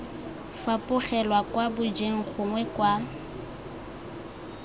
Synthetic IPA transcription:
fapʼʊχɛlwakwabʊd͡ʒeŋ̩χʊŋwɛkwa

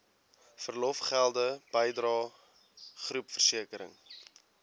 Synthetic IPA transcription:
fərlɔfχælˠdəb̥əjdrɑː | χrupfərsiəkəɾə̰ŋ

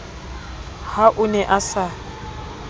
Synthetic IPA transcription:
haʔʊnɛʔasa

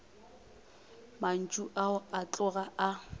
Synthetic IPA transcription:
man̩t͡ʃʼuʔaʊat͡ɬʼʊɣaa

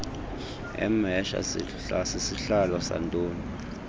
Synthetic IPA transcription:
ɛ̰mɛʃa̰ | sesiɬalɔsa̰ntʼoːnu

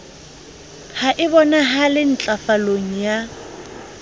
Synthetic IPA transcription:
haʔɪbɔnaɦalɪn̩t͡ɬʼafaloŋ̩ja

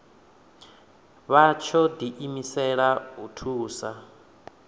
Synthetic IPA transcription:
βat͡ʃʰɔdiʔimisɛɺautʰuːsa

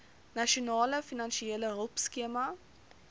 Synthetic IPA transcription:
nɐʃionɑːləfinɐnʃieələɦəlˠpskiəmɐ

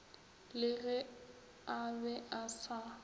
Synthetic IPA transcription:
lɪɣɛ | abɛʔasa

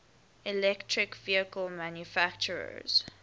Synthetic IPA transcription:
ilɛktʰɹɪkviəkəlmãnjufakt͡ʃəɹə̰z̥

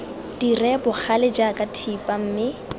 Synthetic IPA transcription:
d̥irɛbʊk͡xʰalɪd͡ʒakʼatʰipʼam̩ːmɪ

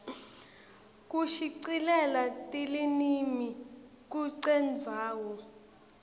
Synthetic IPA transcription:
k̬ʼuʃiǀilɛlatʼilinimi | k̬uǀɛnd͡zʱaːwɔ

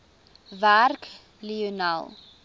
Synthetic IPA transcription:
værk | liuna̰lˠ

